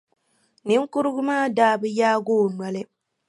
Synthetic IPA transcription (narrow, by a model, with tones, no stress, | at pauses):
nɨ˦ŋkʊ˦ɾɨ˦ɡʊ˦maː˦˨daː˦bɨ˦jaː˦ɡoː˦˨na˨lɨ˦